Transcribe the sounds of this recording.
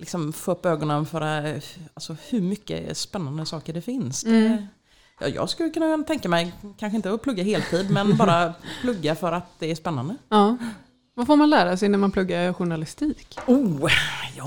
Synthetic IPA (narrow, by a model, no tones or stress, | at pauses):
lɪksɔmfoːɵpːøːɡɔnənfœːɾaalsɔhɵɾmʏkːə̰spɛnːand̪əsɑːkəɖɛfɪnsd̪ɛ | jɑ̰ːjɑ̰ːɡskɵlːəkʰɵnːat̪ʰɛŋkamɛjkʰanɧəɪnt̪əɔpʰlɵɡːaɦeːlt̪ʰiːd̪mɛnbɑːɾapʰlɵɡːafœɾat̪̚d̪ɛːʂspɛnːand̪əɑː | vafoːɾmanlæːɾasɛjnæɾmanpʰlɵɡːaɾɧʊɳalɪst̪iːku